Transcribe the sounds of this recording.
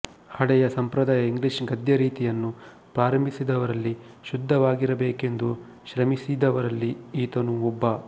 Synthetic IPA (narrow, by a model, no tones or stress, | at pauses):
hɐɽɛjɐsɐmpɾɐd̪aːjɐiŋɡliʃɡɐd̪jɐɾiːt̪ijɐnːu | pɾaːɾɐmbʱisid̪ɐʋɐɾɐlːi | ʃud̪ʱːɐʋaːɡiɾɐbeːke̞nd̪u | ʃɾɐmisid̪ɐʋɐɾɐlːiiːt̪ɐnuɔbːɐ